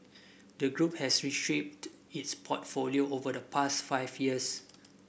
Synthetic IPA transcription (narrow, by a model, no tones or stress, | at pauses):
dəɡɹup̚hɛsɹiʃep̚t | itspʰɔtfolioʔovədəpʰastfaɪfjiəs